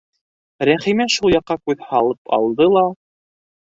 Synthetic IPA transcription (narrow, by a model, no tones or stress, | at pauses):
ɾæχimæʃulˠjɑqːɑkʉðhɑlˠɤpɑ̰lˠd̪ɤlˠɑ